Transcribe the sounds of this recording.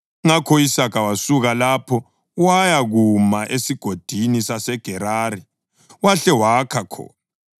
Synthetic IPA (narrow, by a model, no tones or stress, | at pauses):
ŋakʰɔisakʰawasuɣalapʰɔ | wajaɣumaʔesiɡ̥ʱod̥ʱinisasɛɡ̥ʱɛɾaːɾi | waɬɛwakʰakʰɔ̰ːna